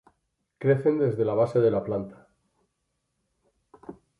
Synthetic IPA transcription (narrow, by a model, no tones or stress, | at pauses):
kɾeθe̞nd̪e̞zðe̞laβ̞aseðe̞laplant̪ḁ